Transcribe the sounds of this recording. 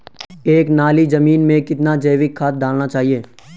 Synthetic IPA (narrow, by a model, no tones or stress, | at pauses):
eːknaːlid͡ʒɐmiːnmẽkɪt̪nad͡ʒɐjʋɪkʰːaːt̪̚d̪ʱaːlnat͡ʃaːɦieː